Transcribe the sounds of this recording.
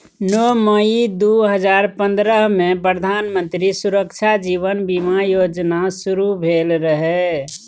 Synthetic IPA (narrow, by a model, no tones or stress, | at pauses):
noməid̪uɦəd͡ʒaɾpə̃nd̪ɾəɦmepɾəd̪ʱanmə̃nt̪ɾisuɾəkt͡ʃʰad͡ʒiʋənbimajod͡ʒnasuɾubʱelɾəɦe